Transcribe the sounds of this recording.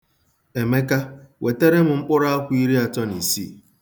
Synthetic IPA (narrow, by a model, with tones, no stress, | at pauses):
e˨me˦ka˦wʔe˨te˦ɾe˦m̩˨ŋ͡m̩˦k͡pʊ˦ɾa˦a˦kʷʊ˦i˦ɾi˦a˨t͡ʃɔ˦ni˨sḭ˦˨